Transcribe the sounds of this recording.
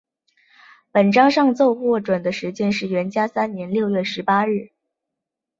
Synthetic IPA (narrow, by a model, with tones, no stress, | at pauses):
pə˨˩nʈ͡ʂɑ˥ŋʂɑ˥˧ŋt͡so˥˧ʊxwɔ˥˩ʈ͡ʂwə˨˩nd̪ə˦ʂɻ̩˧˥t͡ɕjɛ˥nʂɻ̩˥˩ɥɛ˧˥nt͡ɕja˥sa˥nnjɛ˧˥nljo˥˧ʊɥɛ˥˩ʂɻ̩˧˥pa˥ɻɻ̩˥˩